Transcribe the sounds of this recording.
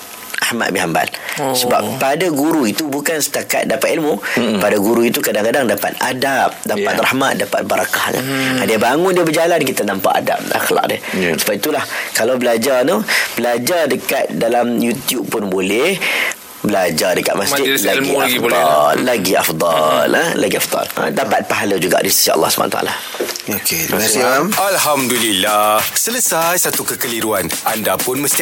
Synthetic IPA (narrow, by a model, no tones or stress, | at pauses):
ʔahma̰t̪̚biɦamba̰lsəba̰ppadaɡuɾuit̪ubukansə̥t̪aka̰t̪̚dapat̪ilmupadaɡuɾuit̪ukadaŋkadaŋdapa̰t̪̚adap̚dapa̰t̪rahma̰t̪̚dapa̰t̪̚baɾakahna̰adiabaŋʊndiəbəd͡ʒalankit̪anampa̰ʔa̰da̰p̚a̰xla̰k̚də̰səbaʔit̪ulahkalawbəlad͡ʒarnub̥əlad͡ʒardəkat̪̚dalamjut̪jub̚pːʊnbolɛh | bəlad͡ʒardəkat̪̚masd͡ʒɪt̪laɡiaɡidbolɔlːaɡiʔa̰fd̪ˤɑləla̰ɡiafd̪ɑ̰la̰dapat̪̚paɦaləd͡ʒuɡa̰ʔdist̪i̥siaʔɑ̰lːɑhsubʰa̰na̰t̪a̰la | oke | alɦamdulilahsələsajsat̪ukəkəliɾuanʔandapʊnməst̪i